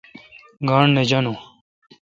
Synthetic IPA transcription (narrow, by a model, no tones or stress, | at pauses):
ɡaːɳned͡ʑɐnu